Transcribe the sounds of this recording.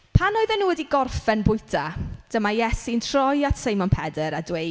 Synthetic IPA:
pʰanoɨðɛnuːwɛdiɡɔrfɛnbʊɨtʰad̥əmajɛsintʰrɔjatsejmɔnpʰɛdɛɾadwe

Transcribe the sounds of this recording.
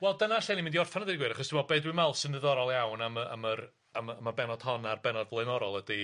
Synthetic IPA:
wɛlˠdənaɬenimɪndiɔrfanəðɪɡwɨɾaχɔstʰimɔbedwɨmalˠsɪnɪðɔɾɔlˠjawnaməa̰mər | amːmabɛnɔd̥hɔnarbɛnɔdvlˠenɔɾɔlˠədi

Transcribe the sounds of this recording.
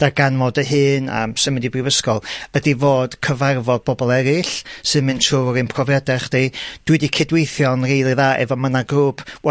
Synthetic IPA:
d̥arɡanvodəɦɨːna̰msəmədibrɪvəskɔlˠədivoːd̥kʰəvarvɔðbɔbɔlˠɛɾɨɬsɨðmɨntʰruːɾɨnpʰrɔvɛdɛχd̥ed̥wɨdikʰɪdwejθjɔnrejlˠiðaːʔɛ̰vɔmənaɡruːpʰwɛ

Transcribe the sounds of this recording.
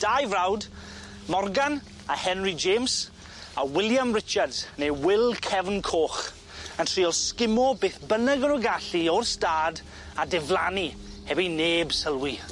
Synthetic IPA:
d̥ajvrawd | mɔrɡan | ahɛnrid͡ʒeːms | awɪlˠjamrɪt͡ʃardz̥nejwɪlˠkʰɛvənkʰoːχ | əntʰr̥iːɔlˠskɪmɔbeːθbənəɡəɾɔɡaɬiɔrstaːd | adɛvlˠani | hɛbineːbsəlˠwi

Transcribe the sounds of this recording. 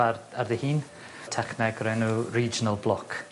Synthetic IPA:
ararðɪhiːn | tʰɛχnɛɡɾɛnuriːd͡ʒɪnəlˠblˠɔkʰ

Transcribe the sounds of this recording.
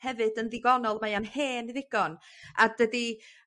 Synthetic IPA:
hɛvɨdənðɪɡɔnɔlˠmajanheːnðɪɡ̥ɔn | adədi

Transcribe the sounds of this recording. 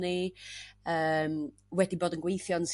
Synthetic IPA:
ni | əːm | wɛdiboːdənɡwejθjɔns

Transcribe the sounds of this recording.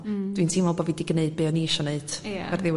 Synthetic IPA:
d̥wintʰimɔlˠbɔvidiɡneɨd̚bɨːɔniʃɔneɨd̥vɛrðɪ

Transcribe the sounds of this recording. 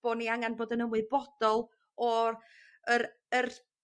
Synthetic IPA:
b̥ɔniaŋanboːdənəmwɨbɔd̥ɔlˠ | ɔ | əɾ | ər

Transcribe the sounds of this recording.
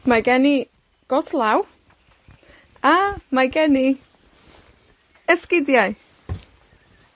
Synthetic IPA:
majɡɛni | ɡ̥ɔtʰlˠaw | amajɡɛni | ɛskɪdjaɨ

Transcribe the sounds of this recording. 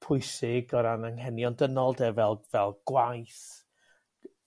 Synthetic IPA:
pʰʊɨsɪɡɔɾanaŋhɛnjɔndənɔlˠdɛvɛlˠvɛlˠɡ̥wajθ

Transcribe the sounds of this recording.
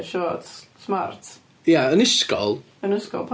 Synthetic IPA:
ʃɔːtsmart | jaənɪskɔ̰lˠ | ənəskɔ̰lˠpʰ

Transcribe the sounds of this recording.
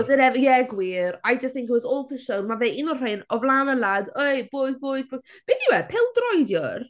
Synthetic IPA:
ɔzɪɾɛvjɛɡwiːɾajd͡ʒəst̚θɪ̃ŋkɪtwɔzɔlˠfɪʃəlˠmaveʔɪnɔr̥ejnɔvlˠaːnəladejbɔjðbɔjzbʰlɔsb̥eːθjəwɛpʰɪlˠdrɔjdjɔr

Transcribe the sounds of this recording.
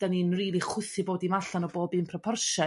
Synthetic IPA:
d̥aninriːlˠiχwʊθɪboːdimaɬanɔboːbɨːnpʰrɔpʰɔrʃɔ

